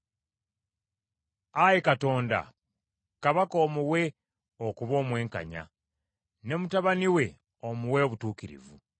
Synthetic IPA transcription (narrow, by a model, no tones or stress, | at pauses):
ajekato̞ːnda̰ | kaβako̞ːmuwe̞ | okuβo̞ːmwe̞ːŋka̰ɲa̰ | ne̞mutaβaniwe̞ | omuweoβutuːkiɾḭvu